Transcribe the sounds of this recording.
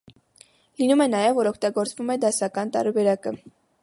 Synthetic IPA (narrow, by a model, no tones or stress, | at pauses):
linumɛnɑjɛvːɔɾɔkʰt̪ɑɡɔɾt͡svumɛd̪ɑsɑkɑnt̪ɑ̰ɾbɛɾɑkə